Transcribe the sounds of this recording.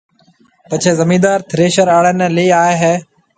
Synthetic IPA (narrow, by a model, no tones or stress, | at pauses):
pɐt͡ʃʰeːzɐmĩːd̪aːɾt̪ʰɪɾeːʃəɾaːɽənliːaːeɦeː